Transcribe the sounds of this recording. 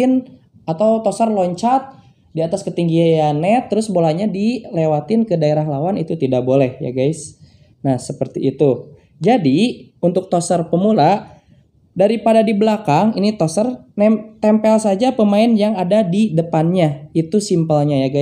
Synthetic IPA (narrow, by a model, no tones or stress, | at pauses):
ɪn | at̪awt̪osərlɔɲt͡ʃat̪̚ | diat̪askət̪iŋɡiajanɛt̪əɾʊsbolaɲadilewat̪ɪnkədaeɾaɦlawanit̪ut̪idaʔk̚bolɛhja̰ɡaɪs | nahsəpərt̪iːt̪u | d͡ʒadiunt̪ʊk̚t̪osərpəmula | daɾipadadibəlakaŋinit̪osərnɛt̪ɛmpɛlsad͡ʒapəmaɪnjaŋadadidəpanɲait̪usimpəlɲajaɡa